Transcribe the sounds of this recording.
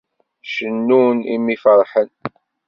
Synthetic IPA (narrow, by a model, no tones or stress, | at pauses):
ʃənːunḭmːifəɾˤħən